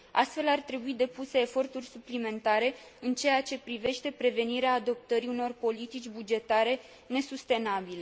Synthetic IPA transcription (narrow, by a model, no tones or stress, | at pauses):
a̰st̪fe̞lart̪ɾe̞buid̪e̞puse̞ːfo̞rt̪urʲsuplime̞nt̪aɾe̞ | ɨnt͡ʃe̞jat͡ʃe̞pɾive̞ʃt̪e̞pɾe̞ve̞niɾeaːd̪o̞p̚t̪əɾiuno̞rpo̞lit̪it͡ʃʲbud͡ʒe̞t̪aɾe̞ | ne̞sust̪e̞nabile̞